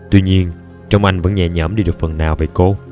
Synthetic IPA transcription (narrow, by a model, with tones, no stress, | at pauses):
t̪wi˧ɲi˧ən | t͡ɕə˧wŋ͡mʔa˧jŋ̟və̰˧˥nɲɛ̰˧˩ɲəː˧˥˩mɗi˧ɗɨ˨˩ək̚fə˨˩nːaː˨˩wve˨˩jko˧